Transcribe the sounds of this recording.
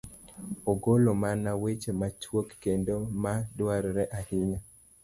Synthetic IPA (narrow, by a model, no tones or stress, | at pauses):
oɡolomanawet͡ʃemat͡ʃwokkendomadwaɾɾɛʔahɪɲa